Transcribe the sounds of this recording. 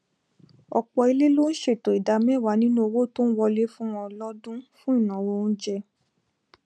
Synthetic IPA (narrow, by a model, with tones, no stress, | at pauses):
ɔ̰˧k͡pɔ˧i˧le˦lo˦n̩˦ʃe˦˨to˨i˨da˨˦mɛ̃˦˨wa˨˦nĩ˦nũ˦o˧wo˦to˦n̩˦wɔ˧le˦fũ˦w̃ɔ̃˧lɔ˦dũ˦fũ˦i˦˨nã˨wo˧n̩˦d͡ʒɛ˧